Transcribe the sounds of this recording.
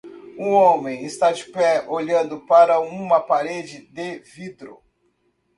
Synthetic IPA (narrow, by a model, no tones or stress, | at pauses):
ũõmẽj̃ɪst̪ad͡ʒɪpɛʔoʎɐ̃nd̪ʊpaɾɐũmɐpaɾed͡ʒɪd̪evid̪ɾʊ̰